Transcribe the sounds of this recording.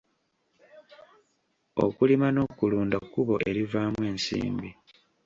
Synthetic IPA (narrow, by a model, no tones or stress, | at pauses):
o̞̰kulimano̞kuluːndakkuβo̞ʔe̞ɾivaːmwe̞ːnsḭːmbi